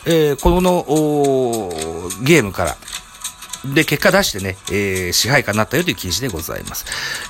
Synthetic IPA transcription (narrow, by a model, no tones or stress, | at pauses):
eko̞no̞ʔoː | ɡʲe̞ːmɯ̟kaɾa̰ | d̪e̞ke̞kːad̪aɕi̥t̪e̞neeɕiɦaikanːat̪ːajo̞t̪oiɯ̟kʲiʑid̪e̞ɡo̞za̰ḭma̰sɨ̥